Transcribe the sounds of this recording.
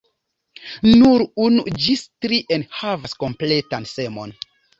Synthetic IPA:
nuɾunṵd͡ʒistɾiʔenhavasko̞mple̞tanse̞mo̞̰n

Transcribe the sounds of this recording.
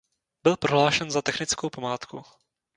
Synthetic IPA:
bɪlpɾoɦlaːʃɛnzat̪ɛxnɪt͡skowpamaːt̪ku

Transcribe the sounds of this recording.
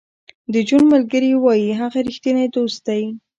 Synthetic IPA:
d̪əd͡ʒunmalɡəɾiwɑjiɦaɣaɾixt̪ined̪ost̪aji

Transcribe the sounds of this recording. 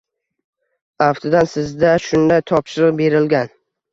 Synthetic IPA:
aft̪ʰɪd̪ansɪzd̪aʃʊnd̪ajt̪ʰɒpʃɪɾɨq̚be̞ɾɪlɡʲan

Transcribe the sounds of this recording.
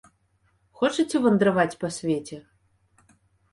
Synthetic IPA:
xɔt͡ʂɨt͡sʲɛvɐnd̪ɾɐvat͡sʲpɐsʲvʲet͡sʲɛ

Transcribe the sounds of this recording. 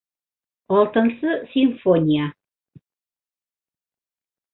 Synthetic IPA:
ɔlˠt̪ə̆nsəsiɱfonʲija

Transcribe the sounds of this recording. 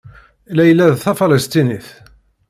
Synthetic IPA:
læjlːæðθæfɑləst̪iniθ

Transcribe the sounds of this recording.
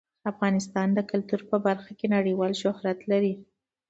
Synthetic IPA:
afɣɑnɪst̪ɑnd̪əkalt̪uɾpəbaɾxakenaɽəwɑlʃʊhɾat̪laɾi

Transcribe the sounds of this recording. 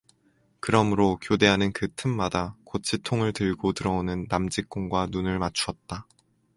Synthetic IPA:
kɯɾʌmɯɾokjode̞ɦanɯnkɯtʰɯmmadakot͡ɕʰitʰoŋɯɭtɯɭɡotɯɾʌonɯnːamd͡ʑik͈oŋɡwanunɯɭmat͡ɕʰuʌt̚t͈a

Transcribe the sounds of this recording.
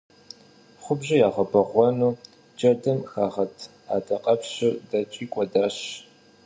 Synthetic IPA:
χʷʊbʑɪjaːʁɐbɐʁʷɔnuː | d͡ʒɐdɐmxaːʁɐtʰ | aːdʰɐqʼɐpɕɪrdɐt͡ʃʼiːkʷʼɔdaːɕ

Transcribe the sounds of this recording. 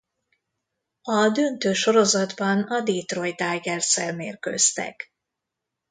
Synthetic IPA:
ɒd̪ønt̪øːʃo̞ɾo̞zɒd̪bɒnɒd̪eːt̪ro̞jd̪aːɡɛrsɛlmeːrkø̰st̪ɛ̰k

